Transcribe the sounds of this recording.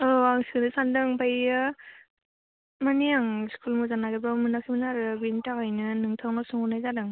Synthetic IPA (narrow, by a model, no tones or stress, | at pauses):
ɔwaŋskɯnɯsandɯŋpajɯ | manijaŋskʰulmuzanaɡɯbɾamɯnakʰimɯnaɾɯbintakajnɯnɯŋtʰawnasuŋunajzadɯŋ